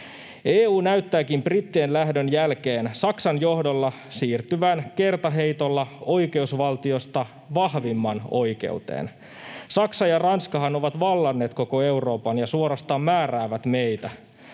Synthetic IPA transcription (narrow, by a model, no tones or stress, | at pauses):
eːuːnæyt̪ːæːkimbrit̪ːienlæhdønjælk̟eːnsɑksɑnjo̞hdo̞lːɑ | siːrt̪yʋænke̞rt̪ɑɦe̞jt̪o̞lːɑo̞jke̞usʋɑlt̪io̞st̪ɑ | ʋɑhʋimːɑno̞jke̞̰ut̪ḛːn | sɑksɑjɑrɑnskɑɦɑno̞ʋɑt̪ʋɑlːɑnːe̞ːt̪ko̞ko̞e̞uro̞ːpɑnjɑsuoɾɑst̪ɑːmːæːræːʋæt̪me̞jt̪æ